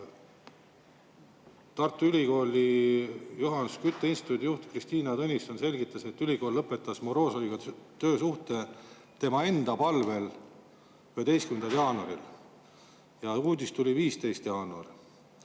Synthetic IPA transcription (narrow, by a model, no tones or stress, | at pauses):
t̪ɑrt̪ːˑuylʲiko̞ːlʲi | juɦɑnuskyt̪ːˑeinst̪it̪ːˑut̪ʲijuht̪krist̪iːnɑt̪ɤnʲisonse̞lʲɡit̪ːˑɑse̞t̪ːylʲiɡo̞ːlːɤpːˑe̞t̪ːˑɑsmoɾo̞ːsɑoliɡ̥ɑt̪ø̞ːsuht̪e̞ | t̪e̞mɑe̞nd̪̥ɑpɑlve̞l | yhet̪e̞jskymend̪ɑljɑːnuɑ̰ɾil | jɑuːd̪ist̪ulʲiviːst̪e̞jst̪jɑːnuɑ̰r